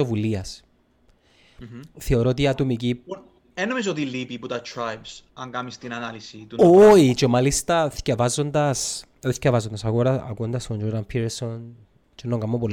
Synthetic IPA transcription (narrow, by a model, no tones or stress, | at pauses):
ovuliɐs | θeoɾoːt̪iɐt̪omic̬i | enomis̬ot̪̬ilːipiput̪ɐt̪ʰɾajbsɐŋɡɐmist̪inɐnɐlisit̪uoit͡ʃemalist̪ɐscɐvɐzːond̪ɐs | scɐvɐzond̪ɐsɐɣoɾɐɐ̰kuond̪ɐst̪ond͡ʒoɾd̪ɐmpʰiɾɾson | t͡ʃenːoŋɡɐmːopol